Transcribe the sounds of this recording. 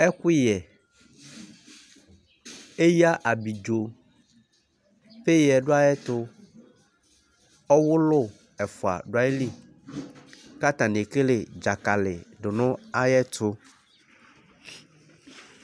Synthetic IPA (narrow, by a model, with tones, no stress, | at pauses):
ɛ˦kʊ˦jɛ˨ | e˦ja˦ʔa˨bi˨d͡ʒo˨ | ɸe˦jɛ˨ɖo˦a˦jɛ˦t̪ʊ˦ | ɔ˦wʊ˦lʊ˦˨ | ɛ˨fʊ˨a̰˨ɖʊ˦a˦e˦li˦˨ | ka˦t̪ã˨ne˨ke˦le˨d͡ʒa˨ka˨lɪ˨ɖʊ˨nʊ̃˦a˦jɛ˦tʊ˦